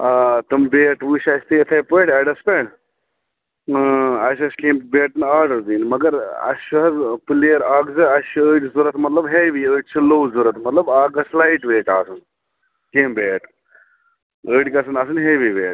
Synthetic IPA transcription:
aːt̪ɨmbeːʈʋuːɕaːst̪eːt̪ʰɐjpeːʈɐɖɐspeɳ | ɐʃ̬ɐskẽːmbeːʈnaːɾɖɐɾd̪iːnmɐɡɐɾɐ̰ʃuɦɐzpɨliɐɾaːɡzɨɐsuəːʈzuɾɐt̪mɐt̪lɐbɦeʋiəːʈt͡ʃʰɨloːwzuɾɐt̪mɐt̪lɐbaːɡɐslaiʈʋeːʈa̰ːsun | keːmbeːʈ | əːʈkɐs̬ɨnɐs̬ɨnɦeːʋiʋeːʈ

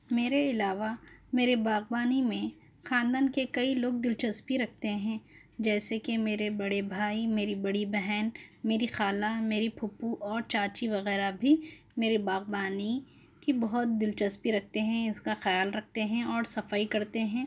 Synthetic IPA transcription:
meːɾeɪlaːʋameːɾebaːɣbaːnimẽ | xãːnd̪aːnkekɐiloːɡ̚d̪ɪlt͡ʃɐspiɾɐk̚ʰt̪eɦɛ̃ | d͡ʒɛːsekemeːɾebɐɽebʱaːimeːɾibɐɽibɛɦɛːnmeːɾixaːlameːɾipʰʊpuʔɔːɾt͡ʃaːt͡ʃiʋɐɣɛːɾabʱi | meːɾebaːɣbaːni | kibɐɦʊt̪̚d̪ɪlt͡ʃɐspiɾɐk̚ʰt̪eɦɛ̃ɪskaxɐjaːlɾɐk̚ʰt̪eɦɛ̃ɔːɾsɐfaikɐɾt̪eɦɛ̃ː

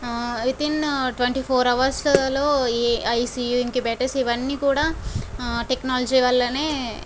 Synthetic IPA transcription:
ʋit̪inʈʋeɳʈiːpʰoːɾɐʋɐɾslɐloːɐjsiːjuiŋkibɛʈɐsiʋɐnːiːkuːɽaː | ʈeknaːlɐd͡ʒiʋɐlːɐneː

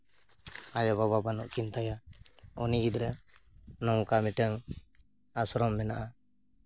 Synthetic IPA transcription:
ajɔbababanuʔkint̪ajaɔniɡid̪ɾɛ | nɔwkamiʈəŋ | asɔɾɔmːɛnaʔa

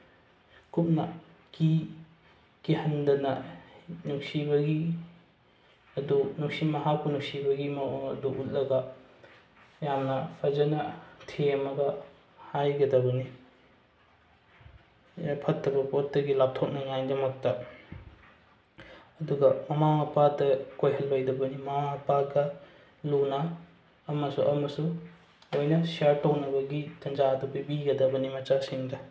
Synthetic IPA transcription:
kup̚nɐ | ki | ɡ̥ihɐndɐnɐnuksibɐɡi | ɐdunuksimɐɦak̚punuksibɐɡimɐɐduʔut̚lɐɡɐ | jamnɐpʰɐd͡ʒɐnɐtʰeɐmɐɡɐ | hajɡɐdɐbɐni | ɐpʰɐtːɐbɐpotːɐɡilap̚tʰok̚nɐŋajdɐmɐk̚tɐ | ɐduɡɐmɐmaŋɐpadɐkojhɐlːojdɐbɐnimɐmaɐpaɡɐ | lunɐː | mɐsṵʔɐ̰mɐsu | ojnɐsiaɾtːɐwnɐbɐɡitɐnd͡ʒadɐbibiɡɐdɐbɐnimɐt͡ʃasiŋdɐ

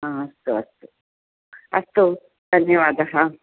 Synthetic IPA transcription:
ɦãːɐst̪uɐst̪u | ɐst̪u | d̪̥ʱɐnjɐʋaːd̪ɐɦɐ

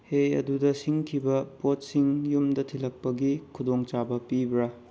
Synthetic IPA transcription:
heɐ̰dudɐsiŋkʰibɐpot̚siŋjumdɐtʰilɐk̚pɐɡikʰudoŋt͡ʃabɐpibɾɐ

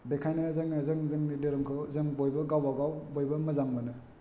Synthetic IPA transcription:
bekʰajnazɯŋnazɯŋzɯŋnideɾɯmkʰɯwzɯŋbojbɐɡawaɡawbojbɐmɐzaŋbɯnɯ

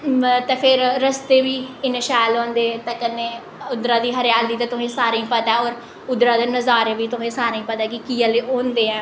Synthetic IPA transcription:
t̪ẽːpʰɪɾɾəst̪eːʋiːɪnʃaːjlõːnd̪eːt̪ẽːkənːeː | ʊd̪ɾaːd̪iːɦəɾjaːld̪iːt̪ãːt̪ʊsẽːsaːɾĩːpət̪ɛːɔːɾ | ʊd̪ɾãːd̪eːnəzaːɾeʋiːt̪ʊsẽːsaːɾãĩːpət̪aːkɪkiːəleːʔoːnd̪eːɛ̃ː

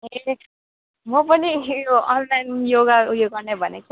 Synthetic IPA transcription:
e | mʌpʌnijʌnlajnjoɡajoɡʌɾnebʱʌneke

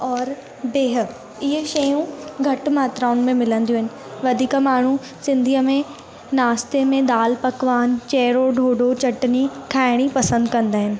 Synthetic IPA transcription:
ɔːɾ | beːɦ̆ | ɪɦʃɐjũɡʱɐʈmaːt̪ɾaːʊnmẽmɪlə̃nd̪ijũɦɪnɪ̆ | ʋɐd̪ʱiːkamaːɳ̤u | sɪ̃nd̪ʱiəmẽ | naːst̪emẽd̪aːlpɐkʋaːnt͡ɕɛːɾoɖʱoːɖot͡ɕɐʈnikʰaːɪɽ̃ipɐsə̃nd̪kɐ̃nd̪aːɦɪnɪ̆

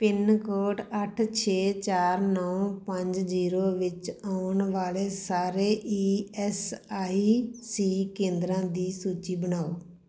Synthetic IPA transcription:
pɪnkoːʈəʈʰt͡ʃʰeːt͡ʃaːɾnɔːpəɲd͡ʒziːɾoːʋɪt͡ʃaːʊɳʋaːleːsaːɾeːʔiːɛsaːisiːkẽːnd̪ɾãːd̪iːsuːt͡ʃiːbənaːoː

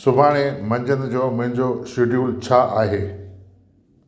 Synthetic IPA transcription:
sʊbʱaːɽ̃emɐ̃ɲd͡ʑən̆d͡ʑoːmʊ̃ɦɪ̃ɲd͡ʑoʃɪɖjuːlt͡ɕʰaʔaːɦeː

